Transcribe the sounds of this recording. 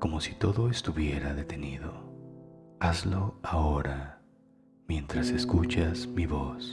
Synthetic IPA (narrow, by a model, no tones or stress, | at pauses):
ko̞mo̞si̥t̪o̞ðo̞est̪uβje̞ɾaðe̞t̪e̞niðo̞ | azlo̞aoɾa | mje̞nt̪ɾase̞skut͡ʃazmiβo̞s